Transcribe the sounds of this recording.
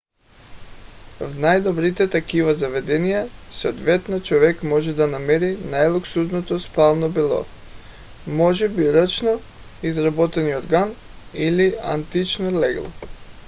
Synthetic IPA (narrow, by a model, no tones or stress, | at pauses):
vnajd̪ɔbɾit̪ɛt̪akivazavɛd̪ɛnijasood̪vɛt̪nat͡ʃɔvɛkmɔʒɛd̪anamɛɾinajlˠoksud̪not̪ospalˠnobilˠɔ̰ | mɔʒɛbiɾət͡ʃno | izɾabɔt̪ɛnioɾɡan | ilia̰nt̪it͡ʃnolɛɡlˠɔ̰